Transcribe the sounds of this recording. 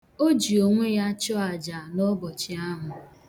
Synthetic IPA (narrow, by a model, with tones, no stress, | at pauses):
o˦d͡ʒi˨o˨ŋʷe˦ja˦t͡ʃɔ˦a˨d͡ʒa˨nɔ˦bɔ˨t͡ʃɪ˨a˦ɦʊ˨